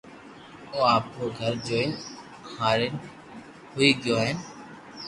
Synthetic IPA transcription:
oːaːpoːɡʱəɾd͡ʒoːɪn | haːɾɪn | ɦʊiːɡɪjoːɦɪn

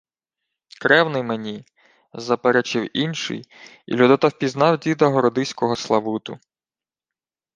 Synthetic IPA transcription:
kɾɛwnɪjmenʲi | zɐpeɾɛt͡ʃɪwinʃɪ̰j | ḭlʲud̪ɔt̪ɐwpʲiznɑwdʲid̪ɐɦɔɾɔd̪ɪsʲkɔɦɔslˠɐʋut̪ʊ

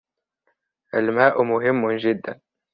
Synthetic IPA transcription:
ʔalmaːʔmʊɦɪmːʊnʒɪd̪ːan

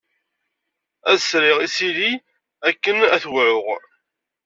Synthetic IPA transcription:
æðsɾɪʁisili | ækːənæθwʕʊʁ

